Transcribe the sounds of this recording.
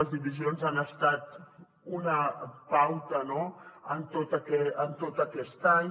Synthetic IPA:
əzðiβizionzanəst̪at̪ | unəpawt̪ənoənt̪ot̪əkɛənt̪ot̪əkɛst̪aɲ

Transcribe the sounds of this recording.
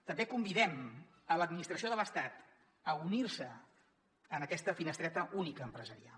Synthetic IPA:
t̪əmbekumbiðɛm | ələd̪minist̪ɾəsioðələst̪at̪ | əuniɾsəː | nəkɛst̪əfinəst̪ɾɛt̪əʔunikəːmpɾəzəɾia

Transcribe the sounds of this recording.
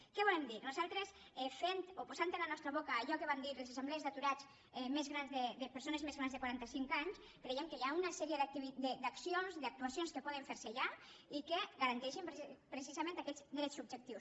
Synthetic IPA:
kɛβulɛmd̪iɾnuzalˠt̪ɾes | ɛfent̪opuzant̪ənlanɔst̪ɾəβokaːʎɔkəβand̪iɾlezesemblezðat̪uɾat͡ʃ | ɛmezɣɾanzðəd̪əpəɾsonezmezɣɾanzðəkwaɾant̪əsiŋkaɲs | kɾejɛmkəjaunasɛɾiəðək̚t̪iβid̪əd̪aksionzd̪ak̚t̪uasionskəpɔðəɱfeɾseʎaikeɡaɾant̪ɛʃimppɾes̬izamẽnt̪akɛzd̪ɾɛt͡sub̚d͡ʒək̚t̪iws

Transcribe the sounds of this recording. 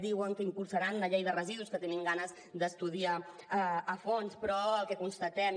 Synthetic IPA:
d̪iwəŋkəimpulˠsəɾanləʎejðərəziðuskət̪eniŋɡanəz | d̪əst̪uð̞ia | əːfonspɾɔəlˠkɛkunst̪ət̪ɛm

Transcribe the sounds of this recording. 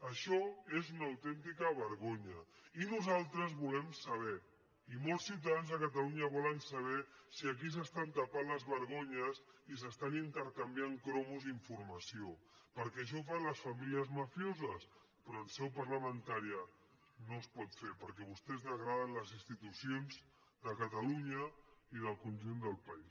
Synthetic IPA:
əʃɔezunawt̪ɛnt̪ikəβəɾɣoɲə | inuzalˠt̪ɾəzβulɛmsɐβ̞ɛ | imolˠsːiwt̪̬aðanzəkət̪aluɲəβɔlənsaβ̞ɛsiak̬is̬əst̪ant̪apanləzβəɾɣoɲəsis̬əst̪anint̪əɾkambjiaŋkɾɔmuziɱfuɾmɐsiopəɾkɛːʃ̬ɔfanləsfamiliəzmafjozəs | pɾɔːlˠsɛwpəɾləmənt̪aɾiə | nospɔt̪feɾpəɾkɛβust̪ɛzðəɣɾaðənləzinst̪it̪usionz | d̪əkət̪aluɲəiðəlˠkunʲʒund̪əlˠpais

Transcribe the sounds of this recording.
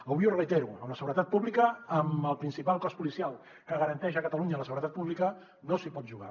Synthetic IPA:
əβwiurəit̪ɛɾuə̰ləsəɣuɾət̪at̪̚puβlikəːməlˠpɾinsipalˠkɔspulisialˠ | kəɣəɾənt̪ɛʃ̬əkət̪əluɲələsəɣuɾət̪at̪puβlikə | nosipɔt̪ʒuɣa̰

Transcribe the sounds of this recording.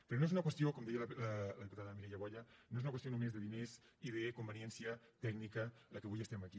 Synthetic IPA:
peɾonoeunɐkwest̪jokomd̪ejalllɐðiput̪aðəmiɾɛʎaβɔʎɐnoez̬unɐkwest̪jonumezðeðineziðekombenjɛnsjɐt̪ɛɡnikɐlakeβujest̪ɛmaki

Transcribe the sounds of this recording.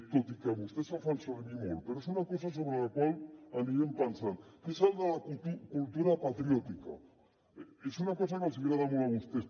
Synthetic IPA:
t̪ot̪ikaβust̪esafalsoenimolpeɾoesunako̞sas̬o̞βɾelakwalaniɣempansankesald̪akut̪ukult̪uɾapat̪ɾjot̪ika̰ | esunako̞sakonsiiɾaðamoɾaβust̪es

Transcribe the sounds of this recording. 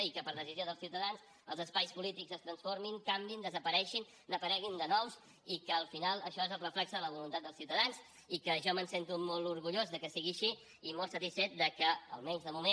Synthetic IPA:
ikəpəɾðəzizioðəlˠsiwt̪əðans | ə̰lˠzəspajspulit̪ikzəst̪ɾənsfoɾmiŋkambind̪əzəpəɾɛʃin | nəpəɾɛɣind̪ənɔws | ikəːlˠfinalˠəʃɔezəlˠrəflɛksəðələβ̞ulunt̪at̪̚d̪əlˠsiuwt̪əðanz | ikəʒɔmənsent̪umolˠuɾɣuʎozðəkəsiɣiəʃi | imolˠsət̪isfɛt̪̚d̪əkəə̰lˠmɛɲzðəmumẽ

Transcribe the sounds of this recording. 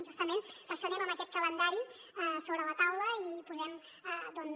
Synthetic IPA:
ʒust̪əmẽnt̪əsəɾiməməkɛt̪̚kələnd̪aɾi | soβɾələt̪awləipuzɛm | d̪ɔn

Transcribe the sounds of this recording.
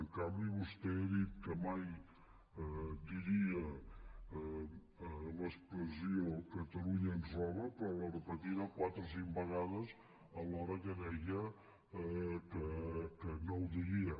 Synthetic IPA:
əŋkambiβust̪eəðit̪̚kəmaj | d̪iɾiə | ləspɾəziokət̪əluɲəənzrɔβəpɾɔlərəpət̪iɾəkwat̪ɾəsiŋbəɣað̞əz | əlɔɾəkəðɛjə | kəkənowd̪iɣiə

